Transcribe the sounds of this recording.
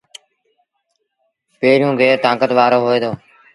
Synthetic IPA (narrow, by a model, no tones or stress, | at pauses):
peːɾjũːɡʱeːɾt̪ãːkət̪ʋaːɾoːɦoːeːd̪oː